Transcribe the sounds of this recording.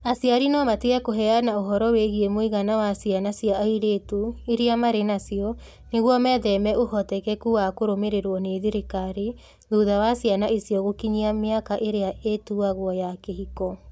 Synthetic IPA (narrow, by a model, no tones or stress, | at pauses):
asiaɾinɔmateakoɦɛanaoɦɔɾɔweɣiemoiɣanawasianasjaiɾetoeɾiamaɾenasiɔ | neɣwɔmɛːðɛmɛʔohɔtɛkɛkuwakoɾomeɾeɾwɔneðiɾekaɾe | ðuðawasianaʔisijɔɣokiɲiameakaʔeɾeaʔetuaɣwɔjakeɦikɔ